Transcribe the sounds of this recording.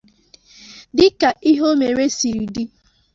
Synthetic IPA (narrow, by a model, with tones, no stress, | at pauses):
dɪ˦ka˨i˦ɦo˦me˨ɾe˦si˨ɾi˨di˦